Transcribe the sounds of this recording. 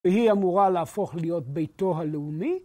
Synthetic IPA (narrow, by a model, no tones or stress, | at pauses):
eɦiamuʁalaːfoχlijot̚bejtoɦaleumi